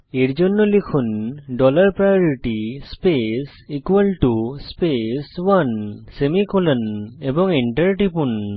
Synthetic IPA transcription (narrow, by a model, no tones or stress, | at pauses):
eɾd͡ʒɔnːɔlikʰunɖɔlaɾpɾajɔɾiʈispes | ikwalʈuspeswansemikɔlənebɔŋiɳʈəɾʈipun